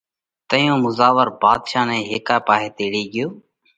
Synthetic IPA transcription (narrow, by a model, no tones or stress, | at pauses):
t̪əjõːmʊzaːʋəɾbaːd̪ʃaːnɛ̃ːɦeːkaːpaːɦeːt̪eːɽiːɠɪjoː